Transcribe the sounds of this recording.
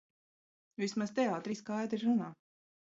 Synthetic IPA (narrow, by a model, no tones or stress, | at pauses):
vismazt̪ɛaːt̪ɾiskajd̪ɾiɾunaː